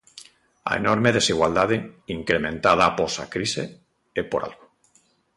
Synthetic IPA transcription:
a̰ḛnoɾmeð̞esiɣwald̪að̞eiŋkɾemẽnt̪að̞aːposa̰kɾisḛ | epoɾʔa̰lɣo

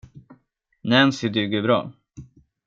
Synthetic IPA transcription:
nɛmsɪd̪ʉːɡɵbɾɑ̰ː

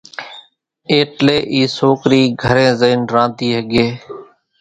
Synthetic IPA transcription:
eːʈleːʔiːsoːkɾiːɡʱəɾẽːzəiːnɾãːnd̪iːɦəɡeː

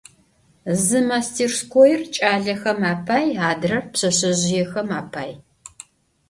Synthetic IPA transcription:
zɨmaːstʰiːrskʷʰɔjɪrt͡ʃʼaːɮɐxɐmaːpʰaːjaːdɨrɐrpɕɐɕɐʑɪjɛxɐmaːpʰaːj

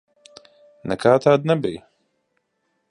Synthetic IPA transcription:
nɛkʰaːt̪ʰaːd̪̚nabij

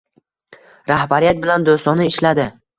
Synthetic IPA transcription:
ɾahbaɾijat̪̚bɪland̪ost̪ɒnɪɪʃlad̪ɪ

